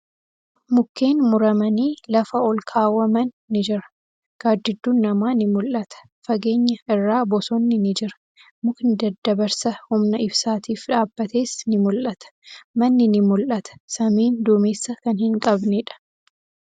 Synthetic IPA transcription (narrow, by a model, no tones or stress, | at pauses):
mʊkːe̞ːnmʊɾɐmɐniːlɐfɐɔlkʰaːwɐmɐnːɪd͡ʒɪɾɐ̥ | ɡ̥aːd̪ːɪd̪ːuːnːɐmaːnɪmʊlʔɐt̪ɐ̥ | fɐɡe̞ːɲːɐɪrːaːbɔsɔnːɪnɪd͡ʒɪɾɐ̥ | mʊknɪd̪ɐd̪ːɐbɐɾsɐhʊmnɐɪbsaːt̪iːfᶑaːbːɐt̪eːsnɪmʊlʔɐt̪ɐ̥mɐnːɪnɪmʊlʔɐt̪ɐ̥sɐmiːnd̪ʊmeːsːɐkɐnhɪŋkʼɐbnɛᶑɐ̥